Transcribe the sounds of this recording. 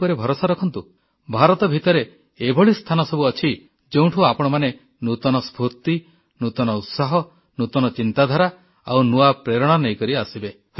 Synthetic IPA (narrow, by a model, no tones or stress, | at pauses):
ɔɾebʱɔɾosaɾɔkʰɔnt̪u | bʱaɾɔt̪ɔbʱit̪ɔɾe | ebʱɔɭist̪ʰanɔsɔbuɔt͡ʃʰi | d͡ʒew̃ʈʰuapɔɽ̃ɔmane | nut̪ɔnɔspʰuɾt̪i | nut̪ɔnɔut̪saɦɔ | nut̪ɔnɔt͡ʃint̪ad̪ʱaɾa | a̰wnuapɾeɾɔɽ̃anejkɔɾiasibe